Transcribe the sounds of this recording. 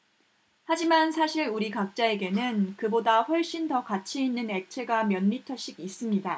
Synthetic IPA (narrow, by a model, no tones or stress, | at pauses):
had͡ʑimansʰaɕʰiɾuɾikak̚t͡ɕ͈ae̞ɡe̞nɯnkɯbodaɸwʌɭɕ͈intʌkat͡ɕʰiinːɯne̞k̚t͡ɕʰe̞ɡamjʌnmitʰʌɕ͈iɡis͈ɯmɲida